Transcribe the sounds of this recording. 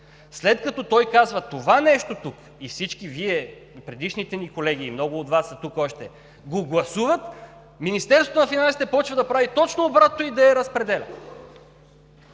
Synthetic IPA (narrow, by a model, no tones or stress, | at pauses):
slɛt̪̚kɐt̪ɔt̪ɔjkazvɐt̪ovanɛʃt̪ot̪uk | ifsit͡ʃkiviɛ | pɾɛd̪iʃnit̪ɛnikolɛɡ̟iːmnɔɡʊːt̪vasːɐt̪ukɔʃt̪ɛ | ɡoɡlˠɐsuvət̪ | minist̪ɛɾsvot̪onɐfinansi̥t̪ɛpɔt͡ʃvɐd̪ɐpɾavit̪ɔt͡ʃnoːbɾat̪noid̪ɐɛɾɐspɾɛd̪ɛlʲɐ̰